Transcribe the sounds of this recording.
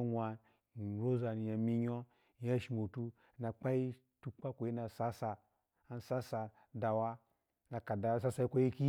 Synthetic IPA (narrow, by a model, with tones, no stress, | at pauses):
nʷa˧˨ | ɾo˦za˨ni˨ja˨mi˦ɲo˦˨˦ | ja˦ʃi˨mo˨tu˦˨ | na˨k͡pa˦i˦ | tu˦k͡pa˦kʷo˨ji˦na˨sa˦sa˧ | a˦n˦sa˦sa˨ | da˨wa˦ | na˨ka˨da˨˦˨sa˦sa˦i˦kʷa˦ji˦ki˦